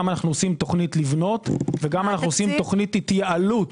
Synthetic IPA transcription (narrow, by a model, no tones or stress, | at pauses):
manaχnuosimt̪oχnitlivno̞tveɡamanaχnuosimt̪o̞χnititjaalut